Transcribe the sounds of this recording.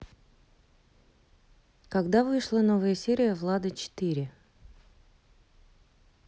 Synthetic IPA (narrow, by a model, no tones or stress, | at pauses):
kɐɡd̪avɨʂlˠənovəjəsʲeɾʲɪjəvlˠad̪ət͡ɕɪ̥t̪iɾʲɪ